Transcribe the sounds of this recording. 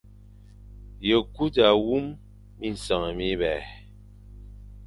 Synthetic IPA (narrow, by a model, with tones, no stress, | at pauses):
jə˨ku˦da˨wu˦mː | i˦˨n̩˨sɔ˨ŋɛ˨mi˦βɛ˨